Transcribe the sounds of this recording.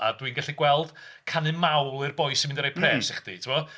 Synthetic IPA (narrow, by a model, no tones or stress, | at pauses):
a̰dwinɡaɬiɡwɛlˠd̥kʰanɨmawlˠɨrbɔjsimɪndɔɾejpʰrɛ̥ːsɪχd̥ḭtʰɪmɔ